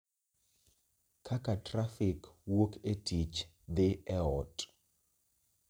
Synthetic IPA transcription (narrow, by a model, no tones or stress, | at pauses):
kʰakatrafɪkwokʰetʰit͡ʃ | d̪ɪɛɔtʼ